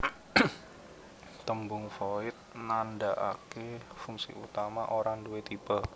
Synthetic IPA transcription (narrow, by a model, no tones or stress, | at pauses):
t̪əmbʊŋfoɪt̪̚nandaʔa̰kefuŋsḭʔut̪amaʔoɾaŋduwet̪ib̥a